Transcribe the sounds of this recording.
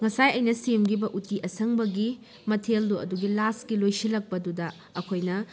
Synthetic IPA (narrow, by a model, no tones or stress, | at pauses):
ŋɐsajɐjnɐsemɡibɐʔutiʔɐsɐŋbɐɡi | mɐtʰelduɐ̰duɡilaskilojsilɐk̚pɐdudɐː | kʰojnɐ